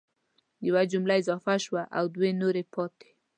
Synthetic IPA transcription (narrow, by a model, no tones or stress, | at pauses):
diwad͡ʒumlaizafaʃwaʔa̰wd̪wenoɾepɔt̪e̥